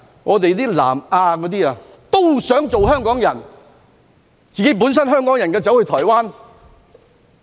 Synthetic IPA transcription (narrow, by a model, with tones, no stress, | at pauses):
ŋɔ̰ː˨˧t̪̬e˨jt̪iː˥la̰ː˨˩maː˧kɔ˨˧˥t̪iː˥aː˨˧ | t̪o˥wsœː˨˥ŋt͡so˨whœː˥ŋkɔː˨˥ŋjɐ˨˩n | t͡siː˨ke˨˥jp̬u˨˥ns̬ɐ˥nɦœː˥˩ŋkɔː˨˥ŋjɐ˨˩nkɛː˧t͡sɐ˨˥whɵ˧jt̪ʰɔː˨˩jwaː˥n